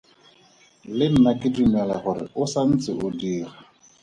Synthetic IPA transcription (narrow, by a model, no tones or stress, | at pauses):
lɪm̩nakɪdimɛlaχʊɾɪ̰ʊsan̩t͡sʼɪʔʊdiːra